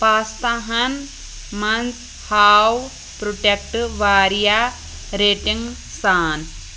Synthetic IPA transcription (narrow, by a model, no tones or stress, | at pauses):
paːst̪aɦɐn | mɐns | haːw | pɾoʈek̚ʈʋaːɾja | ɾeːʈiŋɡ | saːn